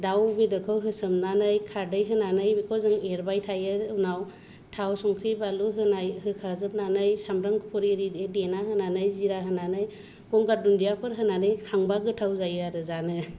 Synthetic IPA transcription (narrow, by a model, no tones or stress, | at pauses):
dawbidɯkʰɯwɦɯsɯmnanɯjkʰaɾdɯjɦɯnanɯjbikʰɔzɯŋeɾbajtʰajɯnaw | tʰawsɔŋkʰɾibaluɦɯnajhɯkʰazɯp̚nanɯjsamɾaŋkɯpʰɔɾiɾidedenaɦɯnanɯjziɾaɦɯnanɯj | ɡɔŋɡaɾ̚dundijapʰɯɾɦɯnanɯjkʰaŋbaɡɯtʰawzajɯaɾɯzanɯ